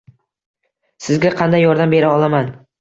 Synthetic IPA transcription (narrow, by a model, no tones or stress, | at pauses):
sɪzɡʲaqʰɑnd̪ajːɒɾd̪ambe̞ɾaɒlˠaman